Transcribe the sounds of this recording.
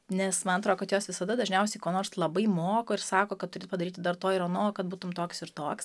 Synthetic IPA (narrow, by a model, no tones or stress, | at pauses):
nʲɛsmɐnɐt̪ɾoːkɐt̪joːsʋʲɪsɐd̪ɐd̪ɐʒʲnʲɛʊsʲɛɪkoːnoːrslˠɐbɐɪmoːkoːɪrsɑːkoːkɐt̪t̪ːʊɾʲeːt̪pɐd̪ɐɾʲiːt̪ʲɪd̪ɐrt̪oːɪɾɐnoːkɐt̪buːt̪ʊmt̪oːksɪɾt̪oːks